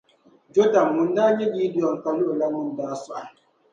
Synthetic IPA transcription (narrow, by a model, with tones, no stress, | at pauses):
d͡ʒo˦da˨mːu˨n˦da˦ɲe˦ɡi˦di˨ɔ˨ŋ̩˨ka˨lu˦ʔla˦mu˦n˨daː˦su˦ʔa˨